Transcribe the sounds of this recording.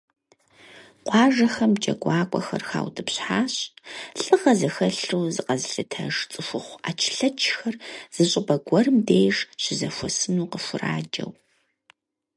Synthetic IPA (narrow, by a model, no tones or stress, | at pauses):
qʷɑːʒɐxɐmt͡ʃʼɐ̰ɡʷɑːkʷʼɔ̰xɐ̰rxa̰ːwdʰɨpɕħaːɕʼɬʼɨʁɐzɐxɐɬuːzɨqɐzɨɬɨtʰɐ̰ʂt͡sʼɨfʷʊχʷaːt͡ʃʰɪ̥ɬɐt͡ʃʰxɐrz̥ɨɕʼɪbɐɡʷɔrɨmdeːjʂɕɪzɐfʷɔsɨnuːqəfʷʊra̰ːd͡ʒɐ̰w